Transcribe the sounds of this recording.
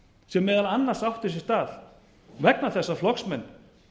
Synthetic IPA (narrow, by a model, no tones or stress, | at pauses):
sɛmːɛːðalanːaɾsawht̪ʏs̬ɛst̪aːl̥ | vɛknaθɛsːaflɔksmɛnː